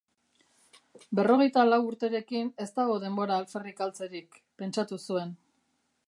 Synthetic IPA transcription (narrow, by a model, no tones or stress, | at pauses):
be̞ro̞ɣe̞jt̪alawuɾt̪e̞ɾe̞kine̞st̪aɣ̞o̞ðe̞mbo̞ɾaːlfe̞rikalt͡se̞ɾik | pe̞nt͡ʃat̪usue̞n